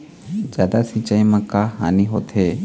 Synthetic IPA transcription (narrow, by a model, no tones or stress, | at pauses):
d͡ʒjaːd̪asit͡ʃaimãkaɦaniɦot̪ʰe